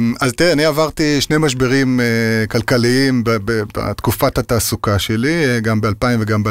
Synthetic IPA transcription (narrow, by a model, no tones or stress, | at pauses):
azt̪iʁeaniavaʁt̪iʃnemaʃ̬beʁimekalkaliimbabeba̰t̪kufathataːsukaʃelieɡambealpaimveɡambe